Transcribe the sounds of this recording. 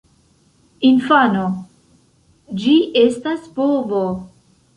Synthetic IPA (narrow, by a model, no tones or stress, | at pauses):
infano | d͡ʒiʔestaspovo